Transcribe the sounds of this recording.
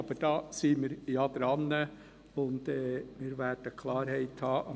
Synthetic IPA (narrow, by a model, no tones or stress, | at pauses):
ɑb̥əd̥ɑːsiːmɪːɾjɑd̪̥ɾɑnːə | ʊndɛːmɪːɾvæd̥əkʰlɑːɾɦhɛɪthɑːʔɑ